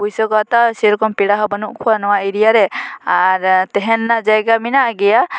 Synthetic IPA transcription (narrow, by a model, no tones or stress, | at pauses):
ujsɔkɔt̪aseɾɔkɔmpiɽaɦɔbɔnuʔkʰuwanɔwaiɾijaɾɛaɾt̪ɛɦɛnːad͡ʒajɡaminaʔɡɛja